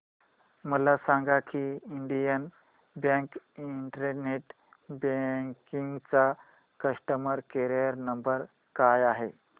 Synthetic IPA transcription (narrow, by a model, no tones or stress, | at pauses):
məlasaŋɡakiiɳɖijən | bjãŋkiɳʈəɾəɾneʈ | beŋkiŋɡt͡sa | kəʂʈəməɾkeɾəɾnəmbəɾ | kajaɦe